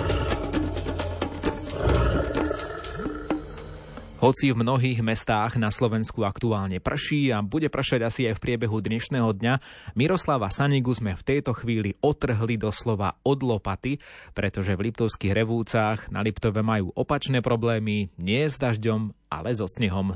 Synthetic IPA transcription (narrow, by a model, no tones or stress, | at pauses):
hɔt͡sivmnɔɦiːɣmɛst̪aːɣnaslɔʋɛnskuakt̪uaːlɲɛpr̩ʃiːabuɟɛpr̩ʃaɟasiajfpɾɪɛbɛɦud̪ɲɛʃnɛːɦɔd̪ɲamiɾɔslaʋasaɲiɡuzmɛft̪ɛjt̪ɔxʋiːliɔt̪r̩ɦlid̪ɔslɔʋa̰ɔd̪lɔpat̪ipɾɛt̪ɔʒɛvlipt̪ɔʊskiɣɾɛʋuːt͡saːɣna̰lipt̪ɔʋɛmajuːʔɔpat͡ʃnɛːpɾɔblɛːmiɲɪɛzd̪aʒɟɔmʔa̰lɛzɔsɲɛɦɔm